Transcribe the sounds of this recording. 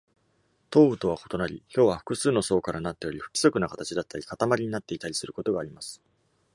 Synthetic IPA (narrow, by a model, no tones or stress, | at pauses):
t̪o̞ːɯ̟t̪o̞βako̞̥t̪o̞naɾʲiçʲo̞ːβaɸɯ̟̥kɯ̟sɨːno̞so̞ːkaɾanat̪ːe̞jo̞ɾiɸɯ̟kʲi̥so̞kɯnakat̪at͡ɕid̪at̪ːaɾʲikat̪amaɾʲiɲ̟inat̪ːe̞it̪aɾʲisɨɾɯ̟ko̞t̪o̞ɡaːɾʲimasɨ̥